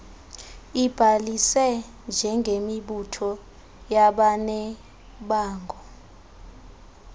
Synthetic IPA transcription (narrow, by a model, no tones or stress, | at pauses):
ib̥ʱalisɛ | nd͡ʒʱɛŋɡʱemiɓutʰɔ | jaɓanɛ | ɓaːŋɡʱɔ